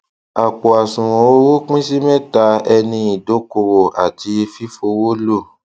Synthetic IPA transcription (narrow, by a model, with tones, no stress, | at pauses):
a˨k͡pɔ˨a˨sũ˨ɾ̃ɔ̃˨˦ɾu˦k͡pĩ˦si˦mɛ̃˦ta˧˦ɛ˧nĩ˧i˨do˨˦ko˧˨wo˨ʔa˨ti˨˧˦fi˦fo˧wo˦lo˦˨